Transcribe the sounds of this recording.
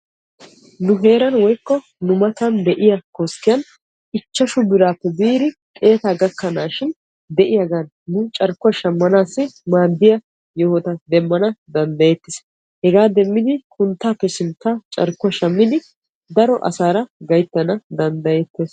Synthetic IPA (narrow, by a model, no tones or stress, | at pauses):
nʊɦe̞ːɾɐnwɔjkːɔ | nʊmɐt̪ɐnd̪ɛʔɪjɐkoskːɪjɐn | ɪt͡ʃːɐʃʊbɪɾaːpːɛbiːɾɪ | kʼe̞ːt̪aːɡɐkːɐnaːʃɪn | d̪ɛʔɪjɐɡanːʊt͡ʃʼɐɾkːʊɐʃɐmːɐnaːsːɪmaːd̪ːɪjɐ | jɔhɔt̪ɐd̪ɛmːɐnɐd̪ɐnd̪ɐjet̪ːɪs | hɛɡaːd̪ɛmːɪd̪ɪkʰʊnt̪ːaːpːɛsɪnt̪ːaːt͡ʃʼɐ̰ɾkːʊɐʃɐmːɪd̪ɪ | d̪ɐɾɔʔɐ̰saːɾɐɡɐjt̪ːɐnɐd̪ɐnd̪ɐjet̪ːeːs